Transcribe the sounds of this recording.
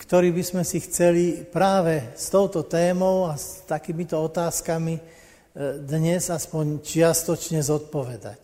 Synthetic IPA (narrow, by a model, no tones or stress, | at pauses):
kt̪ɔɾiːbizmɛsixt͡sɛlipɾaːʋɛst̪ɔʊt̪ɔt̪ɛːmɔʊast̪akiːmit̪ɔɔt̪aːskami | d̪ɲɛzaspɔɲt͡ʃɪast̪ɔt͡ʃɲɛzɔt̪̚pɔʋɛd̪a̰c